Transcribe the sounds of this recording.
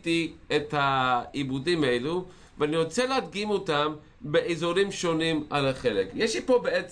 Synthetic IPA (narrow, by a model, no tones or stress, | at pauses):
tiethaibudimaelu | veaniʁo̞t͡selead̪̚ɡimotam | beʔezoʁimʃo̞nimalaχe̞lekjeʃlipo̞beet͡s